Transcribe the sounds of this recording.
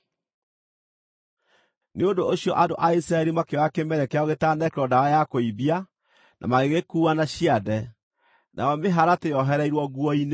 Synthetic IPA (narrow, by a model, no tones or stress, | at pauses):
neondooɕjɔʔadoʔaisɾaɛɾimakeɔakemɛɾɛkjaoɣetanɛkeɾɔdawajakoiβia | nʔa̰maɣeɣekuːanaɕiadɛ | nʔa̰ɔmeɦaɾatejɔɦɛɾɛiɾwɔɣwɔine